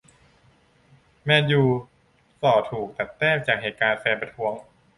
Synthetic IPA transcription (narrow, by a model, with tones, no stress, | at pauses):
mɛː˧njuː˨˩ | sɔː˨˩t̪ʰuː˨˩k̚t̪a˨˩t̪ːɛː˥˩t͡ɕaː˨˩k̚ɦeː˨˩t̪̚kaː˧nfɛː˧npɾa˧t̪ʰu˦˥əŋ